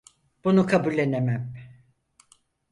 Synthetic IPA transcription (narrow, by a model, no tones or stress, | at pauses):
b̥unukʰabulʲːe̞nemæm